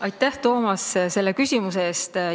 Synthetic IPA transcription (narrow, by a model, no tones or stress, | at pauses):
ɑjt̪ːˑæht̪o̞ːmɑsse̞lːe̞kysʲimus̬eeːst̪